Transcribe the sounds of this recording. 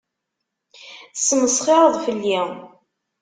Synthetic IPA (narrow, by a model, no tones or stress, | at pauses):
θə̥sːəməsχɪɾˤəðˤfəlːi